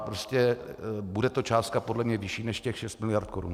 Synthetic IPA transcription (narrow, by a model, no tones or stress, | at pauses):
pɾoscɛbudɛt̪o̞t͡ʃaːst̪̚kapo̞dlɛmɲɛvɪʃiːnɛʃcɛxʃɛst̪mɪlɪjaɾt̪koɾṵn